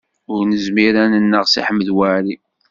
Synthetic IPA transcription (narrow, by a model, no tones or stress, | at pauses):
ʊɾnəzmiɾænənːəʁsḭħəmːðwaɾi